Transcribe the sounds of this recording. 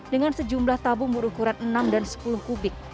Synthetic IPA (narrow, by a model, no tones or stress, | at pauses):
dəŋansəd͡ʒumlaht̪abʊŋbəɾukuɾanənamdansə̥pulʊhkubɪk̚